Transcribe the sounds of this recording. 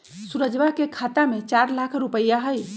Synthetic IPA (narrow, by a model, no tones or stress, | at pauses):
suɾəd͡ʒʋakekʰat̪amet͡ʃaɾlakʰɾupəjaɦəj